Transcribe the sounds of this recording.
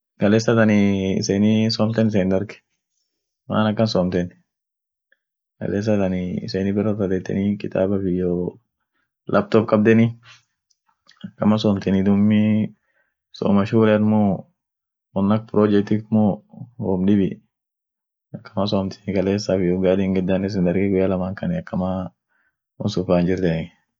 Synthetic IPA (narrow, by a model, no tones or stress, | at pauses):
kɐleːsɐt̪ɐnɪɪ̰seːnɪsoːmt̪ɛnɪs̬eːnd̪ɐɾkɛ̥ | ma̰ːnɐkːɐnsoːmt̪ɛn | kɐ̰leːs̬ːɐt̪ɐnɪɪ̰seːnɪbɪrɔt̪ɐd̪ɛt̪ːɛ̰nɪkɪt̪a̰ːbɐfɪjɔ | lʔɐb̚t̪ɔb̚kʼɐb̚d̪ɛnɪ | ɐkːɐmɐsɔːmt̪ɛnɪd̪ʊmːɪ | so̰ːmɐʃuːɾɐt̪mɔ | wɔnːɐk̚pɾoːd͡ʒɛk̚t̪ɪkmɔhɔmɗɪbɪ | ɐkːɐ̥mas̬oːmt̪ɛ̥nɪkɐleːsːafɪjɔɡaːd̪ɪŋɡɛd̪ːanɛs̬ɪnd̪ɐɾɡɛɡʊjalɐmaːŋkɐnɪɐkːɐma | ɔnsʊfaːnd͡ʒɪɾt̪ɛnɪ